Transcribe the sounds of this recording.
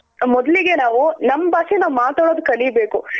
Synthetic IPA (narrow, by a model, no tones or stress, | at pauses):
mɔd̪ɐliɡe̞naːʋunɐmːɐbaːʂenaːʋumaːt̪aːɽoːd̪ukɐɭibeːku